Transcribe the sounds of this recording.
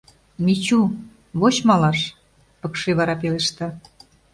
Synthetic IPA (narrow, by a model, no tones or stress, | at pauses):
mit͡ɕu | βot͡ɕmɑlɑʃ | pə̆kʃeβɑɾɑpeleʃt̪ɑ